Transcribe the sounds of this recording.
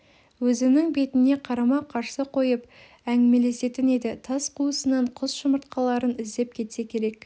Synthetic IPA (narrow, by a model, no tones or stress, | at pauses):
wɵzɪnɪŋbe̞t̪ɪne̞qʰɑɾɑmɑqʰɑɾsəqʰo̞jəp | æŋɡʲɪme̞le̞se̞t̪ɪned̪ɪt̪ʰɑsqʰuəsənɑɴqʰʊzʃəməɾt̪̚qɑlˠɑɾənɪzd̪e̞p̚kʲʰe̞t̪se̞kʲʰe̞ɾe̞k